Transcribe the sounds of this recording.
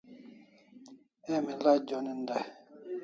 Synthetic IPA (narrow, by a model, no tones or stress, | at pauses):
ɛmilad͡ʒɔninda